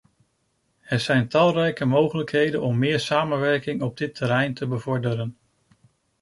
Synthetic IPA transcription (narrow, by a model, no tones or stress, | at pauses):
hətzɛjntɑlˠrɛjkəmowχələkɦejdənɔmːɪːɹsaːmənʋɛɹkɪŋɔb̚dɪtʰəɾɛjntʰəbəvɔɹdəɾən